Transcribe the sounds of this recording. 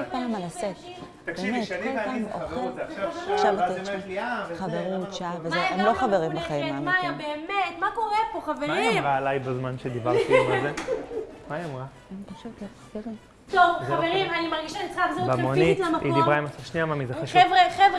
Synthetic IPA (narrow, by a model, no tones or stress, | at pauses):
kolpaːmalaset̪ | b̪emet̪olpamoχelʃavateliaχaveʁut̪ʃavezeemloχaveʁimbaχaimmajambeːmet̪mako̞ʁepoχavemajiʁaːlajbazmanʃed̪ibaʁt̪iomalze | majamʁa | emt̪aχʃet̪lasɡeʁem | t̪ovχaveʁimanimaʁɡiʃait͡sχakzeumonnitlamakidibʁaemasafʃniamamizeaʃevʁeχevʁ